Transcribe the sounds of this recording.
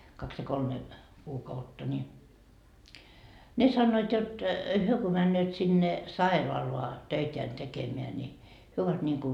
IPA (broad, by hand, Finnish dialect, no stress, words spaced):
kɑks jɑ kolme kuːkɑutːɑ nʲi ne sɑnːoit jot hyø ko mænːøːt sinːe sɑiroɑloɑ tøiteæn tekemeæ nʲi hyø oʋɑt niŋku